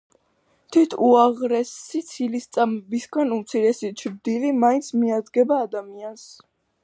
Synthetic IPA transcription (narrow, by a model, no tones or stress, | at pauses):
t̪ʰit̪ʰuaʁɾɛsit̪sʰilist̪sʼamɛbisɡanumt̪sʰiɾɛsit͡ʃʰɾd̪ilimaint̪sʰmiad̪ɡɛbaːd̪amians